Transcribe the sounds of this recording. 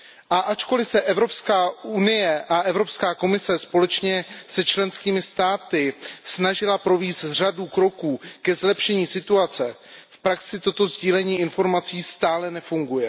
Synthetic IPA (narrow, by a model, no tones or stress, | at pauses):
ʔaʔat͡ʃko̞lɪsɛʔɛvɾo̞pskaːunɪjɛʔaʔɛvɾo̞pskaːko̞mɪsɛspo̞lɛt͡ʃɲɛsɛt͡ʃlɛnskiːmɪst̪aːt̪ɪsnaʒɪlapɾoviːst̪r̝adukɾo̞kuːkɛzlɛpʃɛɲiːsɪt̪uat͡sɛ | fpɾaksɪt̪o̞t̪o̞zɟiːlɛɲiːɪnfo̞ɾmat͡siːst̪aːlɛnɛfuŋɡujɛ